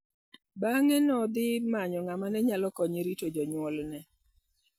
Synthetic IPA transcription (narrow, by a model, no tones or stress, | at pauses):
baŋɛnɔd̪ɪmaɲɔŋamanɛɲalɔkɔɲiɾitod͡ʒɔɲwɔlnɛ